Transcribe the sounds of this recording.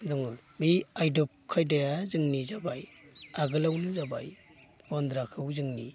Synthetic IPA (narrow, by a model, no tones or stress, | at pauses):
dɔŋɯbiajdɔp̚kʰajdajazɯŋnizabajaɡɯlawnɯzaba̰j | bɔnd̪ɾakʰɯwzɯŋni